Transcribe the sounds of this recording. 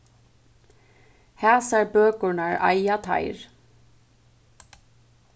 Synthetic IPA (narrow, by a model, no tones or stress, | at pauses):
hæːsaɾbøːkʊɹnaɹa̰jat̪ʰa̰ɪɾ